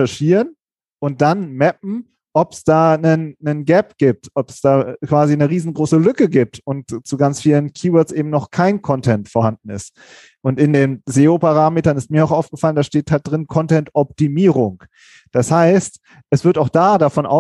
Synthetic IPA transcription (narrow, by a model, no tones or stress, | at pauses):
ɛɐʃiːʁən | ʔʊnt̚d̥anmɛp̚m̩ | ʔɔpsd̥aːnənːənɡɛp̚ɡ̥iːp̚tɔpsd̥aːkv̥aːzinəʁiːzn̩ɡʁoːsəlʏkəɡiːp̚tʊnt̚t͡suɡant͡sfiːlənkʰiːwœɐt͡sʔeːbm̩nɔχkʰaɪnkʰɔntʰɛntfoːɐhandn̩ɪ̰st | ʔʊntɪndeːnzeːopaʁ̞aːmeːtɐnɪst̚miːɐaʊxaʊfɡ̥əfaləndaːʃteːthalt̚d̥ʁɪnkʰɔntɛntʔɔp̚timiːʁ̞ʊŋ | d̥ashaɪst | ʔɛsv̥ɪɐtaʊxd̥aːdafɔnʔa̰ʊ